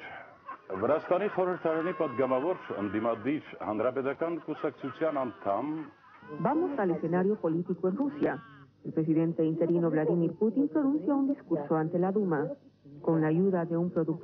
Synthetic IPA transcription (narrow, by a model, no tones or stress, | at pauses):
vəɾast̪ɑniχɔɾəɾt̪ʰɑɾɑnipɑd̪ɡɑmɑvɔɾə̰nd̪imɑd̪iɾhɑnɾɑpɛt̪ɑkɑnkusɑk̚t͡sʰut͡sʰjɑnɑnt̪ʰɑm | bamo̞sale̞se̞naɾjo̞po̞lit̪ikoenrusja | elpɾe̞s̬iðe̞nt̪e̞int̪e̞ɾino̞βlaðimiɾput̪impɾo̞nũnsjaund̪iskuɾso̞ant̪e̞laðumako̞nlaːʝuðaðe̞umpɾo̞ðuk̪̚